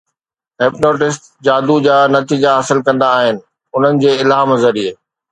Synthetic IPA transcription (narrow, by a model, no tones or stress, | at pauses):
ɦeːpnoːʈɪsʈ | d͡ʑaːd̪ud͡ʑaːnɐt̪iːd͡ʑaɦaːsɪlkɐ̃nd̪aːɦɪnɪ̆ | ʊn̤ənɪ̆d͡ʑeːɪlaːmɐzɐɾieː